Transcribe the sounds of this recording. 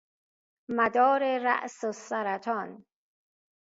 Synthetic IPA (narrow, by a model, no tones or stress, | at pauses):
mæd̪ɒːɾeɾæ̰ʔsosæɾæt̪ʰɒːn